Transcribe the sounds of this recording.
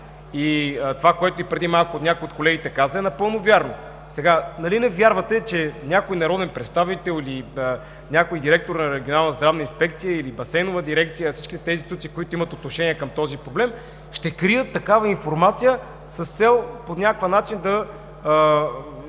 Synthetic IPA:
it̪ovakoɛt̪oipɾɛd̪imalˠkoːt̪nʲakoiot̪kolɛɡit̪ɛkazəɛnɐpɤlˠnovjaɾno | sɛɡanɐlinɛvjaɾvɐt̪ɛt͡ʃɛnʲakoinɐɾɔd̪ɛnpɾɛt̪st̪avit̪ɛlˠiliə | nʲakoid̪iɾɛk̚t̪oɾnɐɾɛɡʲionalˠnəzd̪ɾavnəinspɛk̚t̪sijəilibɐsɛnovəd̪iɾɛkt̪sijəfsi̥ʃkit̪ɛt̪ɛint̪it̪ut̪sikoit̪oimət̪ot̪noʃɛniɛkəmt̪ɔzipɾoblɛm | ʃt̪ɛkɾijət̪ːɐkavɐinfoɾmat̪sijə | səst̪sɛlˠponʲakvənat͡ʃind̪ɐ

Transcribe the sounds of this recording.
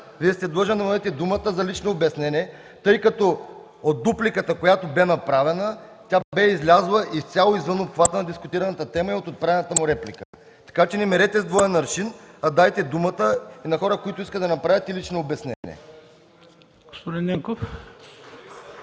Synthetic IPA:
viəst̪ɛd̪lˠɔʒɛmd̪ɐmɛt̪ɛd̪umət̪əzɐlit͡ʃnoobɛsnɛnʲɛ | t̪ɤjkɐt̪ɔ | ot̪̚d̪uplikət̪əkojat̪obɛnɐpɾavɛnət̪ʲabɛizlʲazlˠəʔift̪sʲalˠoizvənopxvat̪ənɐd̪iskʊt̪iɾɐnət̪ət̪ɛməiot̪ot̪̚pɾavɛnət̪əmʊɾɛplikə | t̪ɐ̥kat͡ʃɛnimɛɾɛt̪ɛzd̪vɔjɛnɐɾʃinɐd̪ajt̪ɛd̪umət̪əinɐxɔɾəkoit̪ʊiskət̪d̪ɐnɐpɾavʲət̪ilit͡ʃnoobɛsnɛ̰nʲḭɛ̰ | ɡ̥ospod̪inːɛŋkof

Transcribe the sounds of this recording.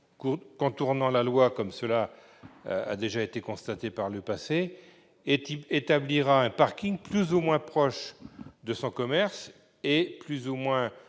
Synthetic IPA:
kukɔ̃t̪uʁnɑ̃lalwakɔmsəla̰ | a̰d̪eʒaet̪ekɔ̃st̪at̪epaʁləpase | et̪et̪abliʁaɛ̃paʁkʲiŋplyzumwɛ̃pχɔʃd̪əsɔ̃kɔmɛʁs | eplyzumwɛ̃

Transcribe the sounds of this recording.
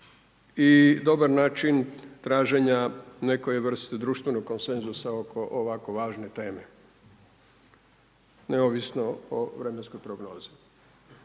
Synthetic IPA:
id̪o̞baɾnaːt͡ʃint̪ɾaːʒeɲane̞kojeʋr̩st̪ed̪ɾuːʃt̪ʋe̞noɡ̚kːo̞nsenzusaokʰoʔoʋako̞ʋaːʒne̞t̪e̞ːme̞ | neoʋisnooʋɾemenskojpɾoɡnoːzi̥

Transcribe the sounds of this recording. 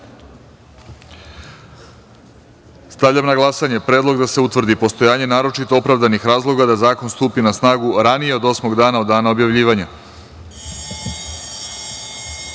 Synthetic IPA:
st̪aʋʎʲamnaɡlˠasaɲe̞pɾe̞ːd̪lˠo̞ɡd̪ase̞ut̪ʋr̩d̪ipo̞st̪o̞jaːɲe̞naːɾo̞t͡ʃit̪oopɾavd̪anixɾaːzlˠo̞ɡad̪azaːko̞nst̪uːpinasnaːɡuɾanije̞o̞d̪o̞smo̞ɡd̪aːnaod̪ːaːnaobjaʋʎiːʋaɲa

